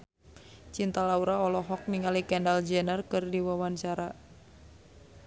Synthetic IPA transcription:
t͡ʃint̪alauɾaɔlɔɦɔk̚niŋalikɛndald͡ʒɛnərkɨrdiwawant͡ʃaɾa

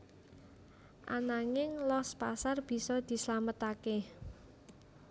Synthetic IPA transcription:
ʔa̰naŋɪŋlɔspasarb̥i̤sɔd̪̥i̤səlamət̪ake

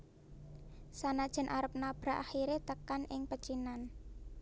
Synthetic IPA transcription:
sanad̥ʒ̥ɛ̤nʔaɾəp̚nab̥ɾa̤ʔa̰xiɾet̪əkanʔɪŋpət͡ʃinan

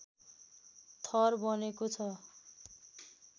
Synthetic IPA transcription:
t̪ʰʌrbʌnekot͡sʰʌ

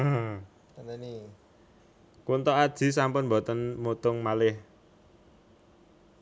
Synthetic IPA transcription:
kunt̪ɔad̥ʒ̥i̤s̬ampʊnbɔ̤t̪ənmut̪ʊŋmalɪh

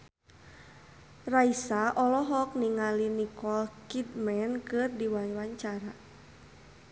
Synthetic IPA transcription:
raisaʔɔlɔɦɔk̚niŋalinikɔlkid̪mɛnkɨrdiwaɲwaɲt͡ʃaɾa

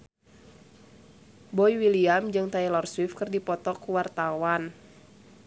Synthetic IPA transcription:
bɔjwiliamd͡ʒɨŋt̪ailɔrswifkɨrdipɔt̪ɔkuwart̪awan

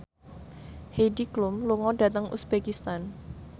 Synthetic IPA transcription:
hediklʊmluŋɔdä̤t̪əŋʔṵsb̥ekist̪an

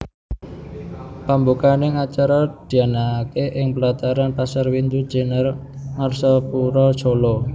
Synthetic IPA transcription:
pambukanɪŋat͡ʃaɾɔd̪̥i̤anakeʔɪŋpəlat̪aɾanpasarwind̪ud̥ʒ̥e̤nər | ŋarsɔpuɾɔd̥ʒ̥olɔ

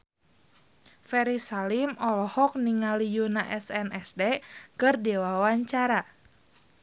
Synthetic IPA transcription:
fɛɾisalimɔlɔhɔk̚niŋalijunaʔɛsɛnʔɛsdɛkɨrdɛwawaɲt͡ʃaɾa

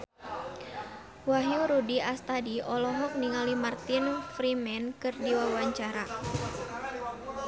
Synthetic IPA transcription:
waɦjuɾudiast̪adiɔlɔɦɔk̚niŋalimart̪infɾimɛnkɨrdiwawaɲt͡ʃaɾa

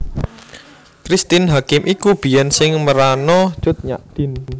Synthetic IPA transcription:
kɾist̪ɪnɦakɪmʔikub̥i̤jɛnsɪŋməɾanɔ̥ʒ̥ʊt̪̚ɲa̰ʔd̪̥i̤n

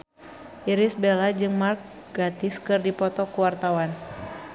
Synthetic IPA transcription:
ʔiɾisbɛlad͡ʒɨŋmark̚ | ɡ̥at̪ɪskɨrdipɔt̪ɔkuwart̪awan

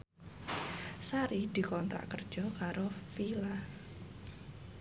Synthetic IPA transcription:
saɾid̪̥i̤kɔnt̪ɾa̰ʔkərd̥ʒ̥ɔ̤kaɾofila

